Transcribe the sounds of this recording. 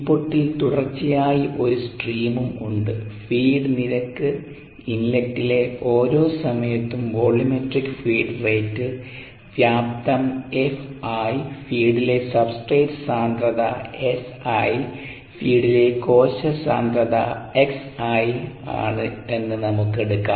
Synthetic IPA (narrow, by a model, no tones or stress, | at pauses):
ipːoʈːilt̪uɽɐrt͡ɕːijaːjiʔo̞ɾusʈriːmumuɳɖɨfiːɖɨniɾɐkːɨ | inlɐk̚tːile̞ʔo̞ːɾo̞ːsɐmɐjɐt̪ːumbo̞ːɭimeʈrikːɨfiːɖreːtːɨ | ʋjaːp̚t̪ɐmefaːjfiːɽile̞sɐbsʈreːʈsaːnd̪rɐðɐesaj | fiːɽile̞ko̞ːɕɐsa̰ːnd̪rɐðɐ̰eksaja̰ːɳɨe̞nːɨnɐmukːe̞ɽukːa̰ː